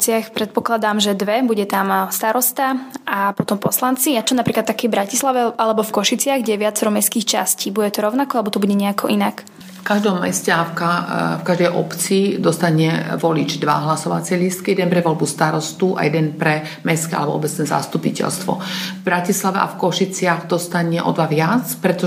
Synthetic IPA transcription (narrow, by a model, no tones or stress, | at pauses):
t͡sɪaxpɾɛt̪̚pɔklad̪aːmʒɛd̪ʋɛbuɟɛt̪amst̪aɾɔst̪aʔapɔt̪ɔmpɔslant͡sijat͡ʃɔnapɾiːklat̪ːakɛvbɾacislaʋɛʔalɛbɔfkɔʃit͡sɪaɣɡɟɛɛʋɪat͡sɛɾɔmɛskiːxt͡ʃa̰sciːbuɟɛt̪ɔɾɔʊnakɔalɛbɔt̪ɔbuɟɛɲɛakʰɔʔinak | fkaʒd̪ɔmːɛ̰scɛafkafkaʒd̪ɛjʔɔ̰pt͡siːd̪ɔst̪aɲɛʋɔlit͡ʃd̪ʋa̰ɦlasɔʋa̰t͡sɪɛlist̪kijɛd̪ɛnpɾɛʋɔlbust̪aɾɔst̪uʔa̰jɛd̪ɛnpɾɛ | mɛskia̰lɛbɔ̰ɔbɛt͡snɛːza̰st̪upicɛ̰lst̪ʋɔ̰vbɾacislaʋɛʔa̰fkɔʃit͡sɪaɣd̪ɔst̪aɲɛʔɔ̰d̪ʋaʋɪat͡spɾɛt̪ɔ